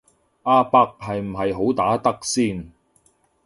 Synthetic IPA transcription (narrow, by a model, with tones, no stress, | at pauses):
ʔaː˧paː˧k̚ɦɐ˨jm̩˨˩ɦɐ˨jɦo˨˥wt̪aː˨˥t̪ɐ˥k̚siː˥˩n